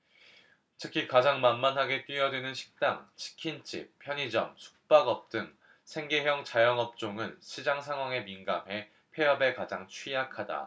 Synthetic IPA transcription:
tʰɯkʰikad͡ʑaŋmanmanɦaɡe̞t͈ɥiʌdwenɯnɕʰi̥k̚t͈aŋt͡ɕʰi̥kʰint͡ɕ͈ḭp̚pʰjʌɲid͡ʑʌmsʰu̥k̚p͈aɡʌp̚t͈ɯn | sʰe̞ŋɡe̞ɦjʌŋt͡ɕajʌŋɦʌp̚t͡ɕ͈oŋɯnɕʰid͡ʑaŋsʰaŋɦwaŋe̞minɡamɦe̞ | pʰe̞jʌbekad͡ʑaŋt͡ɕʰwɥijakʰada̰

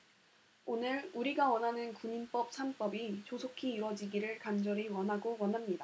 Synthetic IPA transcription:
onɯɭuɾiɡawʌnɦanɯnkuɲinp͈ʌp̚sʰanp͈ʌbit͡ɕosʰokʰiːɾwʌd͡ʑiɡiɾɯɭkand͡ʑʌɾiwʌnɦaɡowʌnɦamɲida

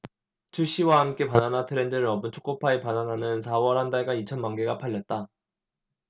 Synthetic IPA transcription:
t͡ɕʰuɕ͈iwahamk͈e̞pananatʰɯɾe̞ndɯɾɯɾʌbɯnt͡ɕʰo̥k͈opʰaepananɦanɯnsʰawʌɾɦhandaɭɡait͡ɕʰʌnmaŋɡeɡapʰaʎːʌt̚t͈a

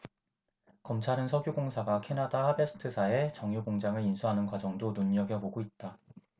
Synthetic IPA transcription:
kʌmt͡ɕʰaɾɯnsʰʌɡjoɡoŋsʰaɡakʰenadahabe̞sʰɯ̥tʰɯsʰae̞t͡ɕʌŋjuɡoŋd͡ʑaŋɯɭinsʰuɦanɯnɡwad͡ʑʌŋdonuɲʌɡjʌboɡoit̚t͈a

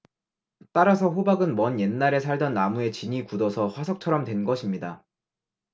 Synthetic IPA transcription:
t͈aɾas̬ʰʌɸobaɡɯnmʌnje̞nːaɾe̞sʰaɭdʌnːamue̞t͡ɕiɲikudʌsʰʌɸwasʰʌk̚t͡ɕʰʌɾʌmtwe̞nɡʌɕʰimɲida

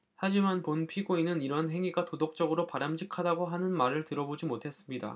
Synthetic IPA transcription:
had͡ʑimanponpʰiɡoinɯniɾʌnɦe̞ŋiɡatodok̚t͡ɕ͈ʌɡɯɾopaɾamɕʰikʰadaɡoɦanɯnmaɾɯɭtɯɾʌbod͡ʑimotʰe̞s͈ɯmɲida̰

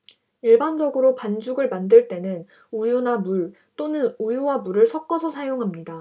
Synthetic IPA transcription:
iɭband͡ʑʌɡɯɾopand͡ʑuɡɯɭmandɯɭt͈e̞nɯn | ujunamuɭ | t͈onɯnujuwamuɾɯɭsʰʌk͈ʌsʰʌsʰajoŋɦamɲida

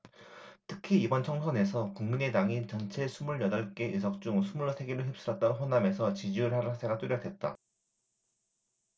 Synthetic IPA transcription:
tʰɯkʰiːbʌnt͡ɕʰʌŋsʰʌne̞sʰʌkuŋmine̞daŋit͡ɕʌnt͡ɕʰe̞sʰumuɭjʌdʌɭk͈e̞ʔɯs̬ʰʌk̚t͡ɕ͈uŋsʰumuɭːsʰe̞ɡeɾɯɭɦɯp̚s͈ɯɾʌt̚t͈aɾoɸwonamesʰʌt͡ɕid͡ʑiɯɭhaɾɯasʰe̞ɡat͈uɾjʌdwe̞t̚t͈a̰

